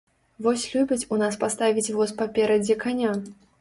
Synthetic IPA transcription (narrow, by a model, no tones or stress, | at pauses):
vɔsʲlʲubʲɐt͡sʲunaspast̪avʲit͡sʲvɔspapʲɛɾɐd͡zʲɛkanʲa